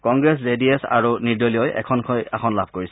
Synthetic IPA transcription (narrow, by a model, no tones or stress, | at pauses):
kɔŋɡɹɛs̬zediɛsa̰ɹunidolijɔjɛ̰kʰɔnkʰɔjakʰɔnlabʱkoɹisɛ